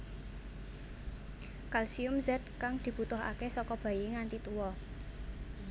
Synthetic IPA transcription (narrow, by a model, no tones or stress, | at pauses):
kalsiʊmzɛt̪̚kaŋd̪̥i̤b̥ut̪ʊɦa̰kesɔkɔb̥a̤jiŋant̪it̪uwɔ